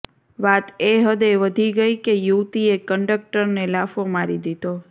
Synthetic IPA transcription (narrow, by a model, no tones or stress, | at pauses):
ʋat̪eɦəd̪eʋəd̪ʱiɡəjkejuʋt̪iekəɳɖək̚ʈəɾnelafomaɾid̪id̪o